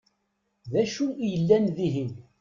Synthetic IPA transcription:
ðæʃujəlːænðiɦin

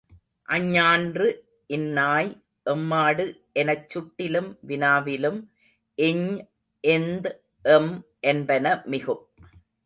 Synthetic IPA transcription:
ʔɐɲːaːndrɯ | ʔɪnːaːj | ʔɛmːaːɽɯʔɛnɐt͡ʃːʊʈːɪlɯmʋɪnaːʋɪlɯm | ʔɪɲ | ʔɛnd̪ | ʔɛmʔɛnbɐnɐmɪɣɯm

